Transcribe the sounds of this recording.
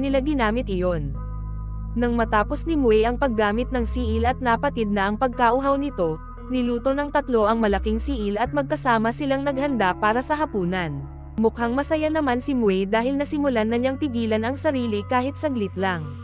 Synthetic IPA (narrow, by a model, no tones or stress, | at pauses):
nɪlaɡɪnaːmɪt̪̚ʔɪjo̞n | nɐŋmɐt̪aːpo̞snɪmʊɛʔɐŋpɐɡːaːmɪt̪̚nɐŋsiːʔɪlɐt̪̚nɐpɐt̪id̪̚nɐʔɐŋpɐɡ̚kaʔʊɦawnɪt̪o̞ | nɪluːt̪o̞nɐŋt̪ɐt̪lo̞ʔɐŋmɐlɐkiŋsiːʔɪlɐt̪̚mɐɡ̚kɐsaːmɐsɪlaŋnɐɡ̚hɐnd̪apaːɾɐsɐɦɐpuːnɐn | mʊkhaŋmɐsɐjanɐmansɪmʊɛd̪aːhɪlnɐsɪmʊlanɐɲaŋpɪɡiːlɐnɐŋsɐɾiːlikaːhɪt̪̚sɐɡlɪt̪laŋ